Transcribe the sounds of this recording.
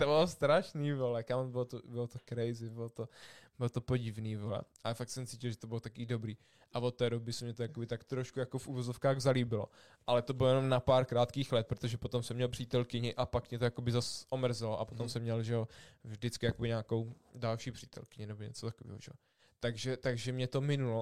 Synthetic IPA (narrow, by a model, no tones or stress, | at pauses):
t̪obɪlost̪ɾaʃniːvolɛkambɪlot̪obɪlot̪okɾɛjzɪbɪlot̪obɪlot̪o̞poɟɪvniːvolɛ̰ʔalɛfak̚t̪sɛmt͡siːcɪlʒɛt̪obɪlot̪akiːdo̞bɾiː | ʔavot̪ːɛːdo̞bɪsɛmɲɛt̪ojakobɪt̪akt̪ɾoʃkujakofʔuvozofkaːɣzaliːbɪlo̰ | ʔalɛt̪o̞bɪlojɛno̞mnapaːɾkɾaːt̪kiːxlɛt̪̚pɾot̪oʒɛpo̞t̪omsɛmːɲɛlpr̥iːt̪ɛlkɪɲɪʔapakmɲɛt̪ojako̞bɪzasʔomr̩zɛloʔapo̞t̪omsɛmːɲɛlʒɛovʒdɪt͡skɪjakobɪɲaːko̞wdalʃiːpr̥iːt̪ʰɛ̰lkɪɲɪnɛboɲɛ̰t͡sot̪akovḭːɦo̰ʒɛo | t̪aɡʒɛt̪aɡʒɛmɲɛt̪o̞mɪnulo